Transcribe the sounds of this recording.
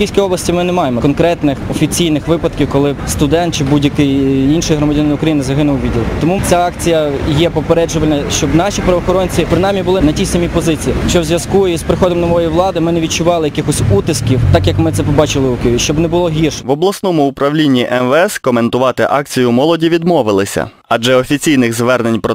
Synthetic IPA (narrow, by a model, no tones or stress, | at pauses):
kijsʲkʲijɔblˠɐsʲtʲimɪnɛmɑjemɔkɔnkɾɛt̪nɪxɔfʲit͡sʲijnɪxʋɪpɐd̪kʲiwkɔlˠɪst̪ʊd̪ɛnt̪̚t͡ʃɪbudʲjɐkɪjinʃɔjɐɦɾɔmɐdʲnɪnɪʊkɾɐjinɪzɐɦɪnʊwʋʲidʲɪlˠt̪ɔmut͡sʲaɑkt͡sʲijɐjɛpɔpeɾɛd͡ʒʊʋɐlʲnɐʃt͡ʃɔbnɑʃʲipɾɐʋɔːxɔɾɔnʲt͡sʲipɾɪnɑjmʲibʊlˠɪnɐtʲisɐmʲipɔzɪt͡sʲijit͡ʃɔwzʲʋʲjɐskuispɾɪxɔd̪ɔmnɔʋɔjijʋlˠɑd̪ɪmɪnɛʋʲid̚t͡ʃʊʋɑlˠɪjɐkɪxɔsʲut̪ɪskʲiwt̪ɑkjɐkmɪt̪sɛpɔbɑt͡ʃɪlˠɪʊkɪjʊʋʲiʃt͡ʃɔbnɛbʊlˠɔɦʲirʃʋɔblˠɐsnɔmʊːpɾɐwlʲinʲːiʔɛnʋɛskɔment̪ʊʋɑt̪ɪʔɑkt͡sʲijʊmɔlˠɔdʲiʋʲid̪mɔʋɪlˠɪsʲɐ̰ | ɐʒɛɔfʲit͡sʲijnɪɣzʋɛrnenʲpɾɔ